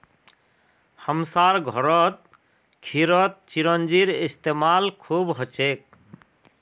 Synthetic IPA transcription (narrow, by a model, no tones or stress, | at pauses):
hɔmsaɾɡʱɔɾɔt̪̚ | kʰiɾɔt̪̚t͡ʃiɾɔnd͡ʒiɾist̪emalkʰubɦɔt͡ʃʰek̚